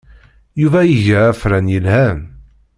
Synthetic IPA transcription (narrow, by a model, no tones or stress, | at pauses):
juvæjəʝəæfɾænjəlhæm